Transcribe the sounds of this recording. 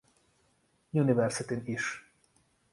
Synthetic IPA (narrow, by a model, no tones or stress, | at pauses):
junivɛrsit̪iniʃ